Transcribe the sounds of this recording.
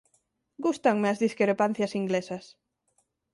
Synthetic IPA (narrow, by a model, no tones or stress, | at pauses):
ɡust̪aŋmeɐzðiskɾɾepan̟θjɐsiŋɡlesɐs